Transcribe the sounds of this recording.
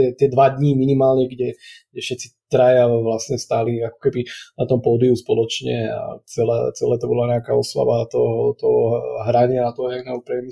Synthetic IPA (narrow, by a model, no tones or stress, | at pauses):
ɛt̪ɪɛd̪ʋad̪ɲiminimaːlɲɛɡɟɛɡɟɛfʃɛt̪t͡si̥t̪ɾajaʋlasɲɛst̪aːliakɔ̥kɛbinat̪ɔmpɔd̪iuspɔlɔt͡ʃɲɛ̰a̰t͡sɛla̰t͡sɛlɛːt̪ɔbɔlaɲɛakaɔsʋa̰ʋat̪ɔɦɔt̪ɔɦɔɦɾaɲɪaat̪ɔɦɔɲaɡnɛɦupɾɛmi